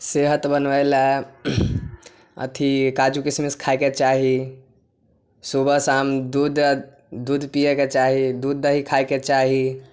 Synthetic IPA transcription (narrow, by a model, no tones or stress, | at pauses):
seɦət̪bənʋəjla | ə̰t̪ʰikad͡ʒukismiskʰajket͡ʃaɦi | subəsamd̪ud̪ | d̪ud̪ʱpijeket͡ʃaɦid̪ud̪ʱːəɦikʰajket͡ʃaɦi